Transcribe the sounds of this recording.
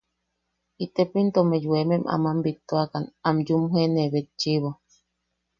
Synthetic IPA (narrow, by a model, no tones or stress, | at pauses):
it̪epint̪omejuememʔa̰mambit̪ːoakanamjumɦeneβet͡ʃiβo